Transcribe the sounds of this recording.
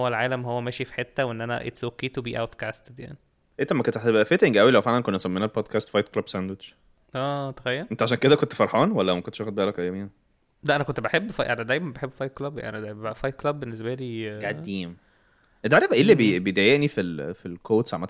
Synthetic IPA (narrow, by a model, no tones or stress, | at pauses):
wːælʕaːlæmhowːæmæːʃifi̥ħet̪ːæwʔenːʔænæ̰ʔḛt̪sokːiːt̪biːʔæwt̪kæst̪ed̪ja̰ʕni | ʔent̪ːæmːækont̪eħt̪ebæʔæfet̪eŋɡʔæwilæwfeʕlænkonːæsˤæmːeːnælbod̪kæːst̪fɑjt̪̚klɑbsænd̪wet͡ʃ | ʔæːt̪exæjːælent̪æʕaʃæːnked̪ækont̪fɑɾˤħɑːnwælːæmækont̪ʃæxod̪̚bæʔælækʔæjːæmiːn | d̪æʔænækont̪beħebːfɑjʔænid̪æjmænbeħebːfɑjt̪klɑbja̰ʔænid̪æbæbæʔfɑjt̪̚klɑbːenːesbæliːɡædiːm | ʔend̪ʕaɾæfʔeːlːibebejd̪æjeʔnifilfilkʰoːd̪sʕamæt̪